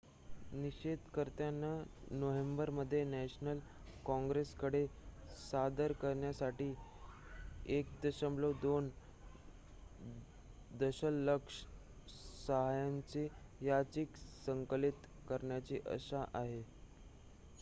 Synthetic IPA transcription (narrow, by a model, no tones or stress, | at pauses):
niɕed̪kəɾt̪janːanoʋembəɾməd̪ʱːjenæɕnəl | kɔ̃ŋɡɾeskəɽesad̪əɾkəɾɳjasaʈiː | ek̚d̪əɕəmlod̪on | d̪əɕəlːəkʂ | səɦajant͡sejat͡ɕiksəŋkəlit̪ | kəɾɳjat͡ɕiːʔə̰ɕaʔaɦe